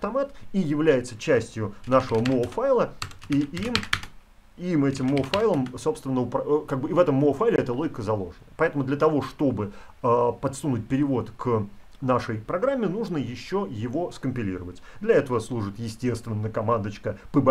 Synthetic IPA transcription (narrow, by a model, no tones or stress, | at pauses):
ɐft̪ɐmat̪ijɪvlʲæjɪt̪sət͡ɕæsʲtʲjʊnaʂəvəmoːfajlˠəiim | imɛtʲɪmːofajlˠəmso̞pst̪vʲɪnːəʊpɾɐkaɡ̚bɨivɛt̪əmːoːfajlʲɪɛt̪əlˠo̞ɡʲɪkəzɐlˠo̞ʐnəjəpɐɛt̪əmʊd̪lʲət̪ɐvo̞ʂt̪o̞bɨ | əpɐt̪sunʊt̚ʲpʲɪɾʲɪvo̞t̪k | naʂəjpɾɐɡɾamʲːɪnuʐnəjɪɕːojɪvo̞skəmpʲɪlʲḭɾəvətʲd̪lʲɐɛt̪əvəslˠuʐɨt̪jɪsʲtʲe̞st̪vʲɪnːəjəkɐmand̪ət͡ɕkəpəb